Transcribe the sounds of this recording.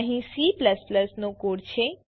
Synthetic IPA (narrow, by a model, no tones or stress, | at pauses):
ɦĩsipləspləsnõkoːɽt͡ʃʰe